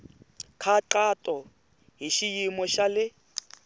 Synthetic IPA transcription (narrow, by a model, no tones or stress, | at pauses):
kʰaǃatʼɔ | ɦiʃijimɔʃalɪ